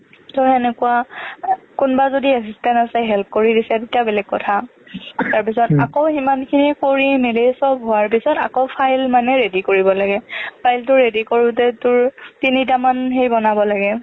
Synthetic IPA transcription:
tɔɛnɛkuwa | kʊnbazodiɛsistɛntasɛɦɛlp̚koɹidisɛtetijabɛlɛk̚kːɔtʰa | taɹp̬isɔtakoximankʰinikoɹimelesɔbɦʊwaɹpisɔta̰koʊpʰajlmanɛɹedikoɹibɔlaɡɛpʰajltʊɹedikoɹʊtɛtʊɹtinit̬amanɦejbɔnabɔlaɡɛ

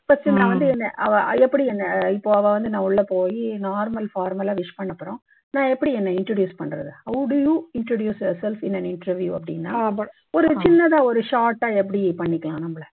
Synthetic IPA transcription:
ɪpːɐt͡ʃːɪnːãːʋɐnd̪ɯɛnːɐʔɐʋɐɛpːɐɽiɛnːɐɪpːoːɐʋɐʋɐnd̪ɯnãːʊɭːɐpoːjinaːɾmɐlfaːɾmɐlaːʋɪʂpɐɳːɐpːɯɾõ | nãːɛpːɐɽiɛnːɐɪɳʈɾoːɖjuːspɐɳːɾɐ̰ðɯɐʊɽɪjuːɪɳʈɾoːɽjuːsjoːɾsɛlfɪnɐnɪɳʈɾɐɾʋjuːɐpːɐɽɪ̰nːaː | ɔɾɯt͡ʃɪnːɐt̪ãːɔɾɯʂaːɾʈːaːɛp̬ːɐɽipɐɳːɪkːɐɭãːnɐmːɐɭɐ

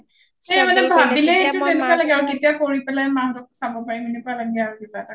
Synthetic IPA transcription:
xejmanɛbʱabilɛhetutenɛkalaɡɛaɹuketijakoɹipɛlajmaŋdɔk̚sabɔpaɹiminɛpalaɡɛaɹuditata

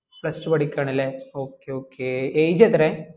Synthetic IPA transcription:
pɭɐsʈɨpɐɽikʲːaːɳilːeoːkːeoːkːeːejd͡ʑɐt̪ɐɾe

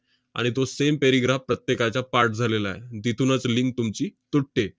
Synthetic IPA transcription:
a̰ɽ̃it̪osempeɾiɡɾafpːɾət̪jekat͡ɕapaɾʈ̚d͡zʱalela̰ed̪it̪ʰunət͡sliŋk̚t̪umt͡ɕiːt̪uʈʈːe

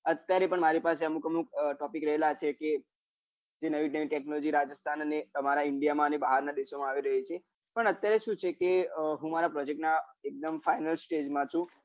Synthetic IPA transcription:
ət̪jaɾepəɳmaɾipaseəmukəmukʈɔpikɾəɦelat͡ʃʰeke | d͡ʒenəʋiʈəʋiʈɛknɔlɔd͡ʒiɾad͡ʒəst̪ʰanənet̪əmaɾaɪɳɖijamãənebaɦaɾnad̪eʃomãaʋiɾəɦet͡ʃʰe | pəɳət̪jaɾeʃũt͡ʃʰekeɦũmaɾapɾɔd͡ʒek̚ʈnaek̚d̪əmfainəlsʈed͡ʒmãt͡ʃʰũ

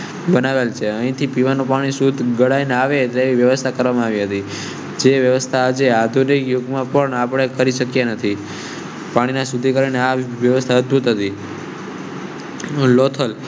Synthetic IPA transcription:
bənaʋelt͡ʃʰeəĩt̪ʰipiʋanopaɽ̃isud̪ʱɡəɽaineaʋet̪eʋiʋjəʋəst̪ʰakəɾʋamãaʋiɦət̪i | d͡ʒeʋjəʋəst̪ʰaːd͡ʒead̪ʱunikjoɡmãpəɳapɽ̃ekəɾiʃəkjanət̪ʰi | paɽ̃inãsud̪ʱikəɾaineaʋjəʋəst̪ʰaəd̪̚bʱut̪ɦət̪i | lot̪ʰəl

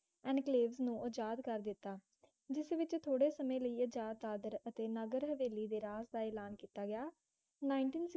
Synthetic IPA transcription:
ɛ̃ːnkleːʋznũːʔod͡ʒaːd̪kəɾd̪ɪt̪ːaː | d͡ʒɪsʋɪt͡ʃt̪ʰoːɽeːsəmẽːləiːəd͡ʒaːd̪̚aːd̪əɾət̪eːnəɡəɾɦəʋeːliːd̪eːɾaːsd̪aːɛːlaːnkiːt̪aːɡɪjaː | naːɪɳʈiːns

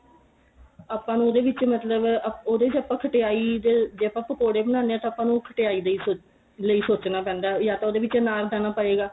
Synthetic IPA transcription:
aːpːãːnũːoːd̪eːʋɪt͡ʃmət̪ləboːd̪eːɪt͡ʃəpːãːkʰəʈeaːiːd̪eːd͡ʒeːəpːãːpːəkoːɽeːbənãːneaːt̪ãːpːãːnũːkʰəʈeaːiːd̪iːoː | ləiːsoːt͡ʃnaːpɛ̃ːnd̪aːjaːt̪ãoːd̪eːʋɪt͡ʃnaːɾd̪aːnaːpəeːɡaː

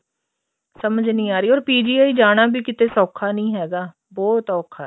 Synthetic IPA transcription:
səməd͡ʒnĩːaːɾiːɔːɾpiːd͡ʒiːaːiːd͡ʒaːɽ̃aːbiːkɪt̪eːsɔːkʰaːnĩːɦɛːɡaː | bɔːt̪ɔːkʰa̰ː

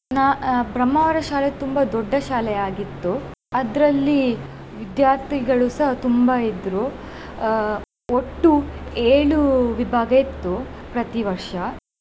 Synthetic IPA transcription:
nabɾɐmːɐʋɐɾɐʃaːlet̪umbɐd̪ɔɖːɐʃaːlɛaːɡit̪ːuɐd̪ɾɐlːiʋid̪jaːɾt̪ʰiɡɐɭusɐɦɐt̪umbɐid̪ɾu | oʈːueːɭuʋibʱaːɡɐjit̪ːupɾɐt̪iʋɐɾʂɐ

